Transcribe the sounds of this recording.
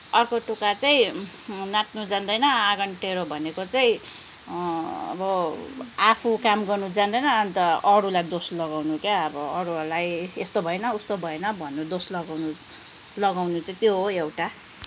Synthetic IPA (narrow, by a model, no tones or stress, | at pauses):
ʌrkoʈukat͡saĩ | nat̪̚nud͡zand̪ʌjnʌaɡʌnʈeɾobʱʌnekot͡saĩ | ʌ̰bʌ | apʰukamɡʌrnud͡zand̪ʌjnʌːnt̪ʌʌɾulajd̪oslʌɡawnukjaʌbʌʌɾuɦʌrlajest̪obʱʌenʌust̪obʱʌenʌbʱʌnːud̪oslʌɡawnu | lʌɡawnut͡sʌĩt̪joɦoewʈa